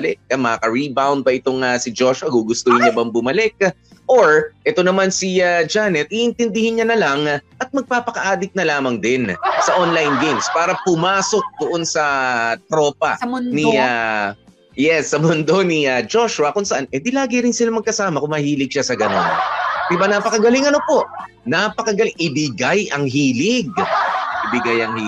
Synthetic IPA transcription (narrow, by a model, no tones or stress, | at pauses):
lɛkːɐmɐkakɐɹibawnd̪̚bɐʔɪt̪o̞ŋɐsɪd͡ʒo̞ʃʊɐɡuɡʊst̪ohɪɲɲɐbɐŋbʊmɐlɛk̚ | ʔoɹʔɛt̪o̞nɐmansiad͡ʒanɛt̪̚ʔiʔɪnt̪ɪnd̪ɪhɪnɲanɐlɐŋʔɐt̪̚mɐɡ̚paːpɐkɐʔaːd̪ɪk̪̚nɐlaːmɐŋd̪ɪnsɐʔonlajnɡejmspaːɾɐpʊmaːso̞k̚d̪ʊʔonsɐt̪ɾo̞ːpɐ̰nnia | jɛsːɐmʊnd̪o̞niad͡ʒo̞ʃʊɐkʊŋsɐʔanʔɛd̪ilaːɡɪɾɪnsɪlamɐɡ̚kɐsaːmɐkʊŋmɐhiːlɪɡ̚ʃasɐɡɐno̞̰nd̪ɪbanɐpɐkɐɡɐlɪŋɐno̞po̞ʔ | nɐpɐkɐɡɐlɪŋʔɪbɪɡajʔɐŋɦiːlɪɡ̚ʔɪbɪɡajɐŋh